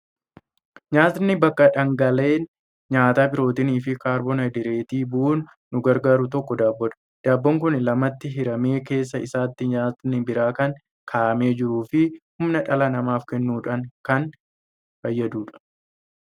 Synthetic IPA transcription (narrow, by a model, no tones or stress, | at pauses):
ɲaːt̪ɪnːɪbɐkːɐᶑɐŋɡɐle̞ːn | ɲaːt̪aːbɪɾo̞ːt̪ɪniːfɪkaːɾbɔnɐd̪ɪɾe̞ːt̪iːbʊʔuːnː | ʊɡɐɾɡaːɾʊt̪ɔkːɔd̪aːbːɔᶑɐ̥ | d̪̥aːbːɔŋkʊnɪlɐmɐt̪ːɪɦɪɾɐme̞ːke̞ːs̬ːɐɪsaːt̪ːɪɲaːt̪ɪnːɪbɪɾaːkɐŋ | kʰaːʔɐme̞ːd͡ʒɪɾuːfɪhʊmnɐᶑɐlɐnɐmaːfkɛnːuːᶑɐŋkɐn | fɐjːɐd̪uːᶑɐ̥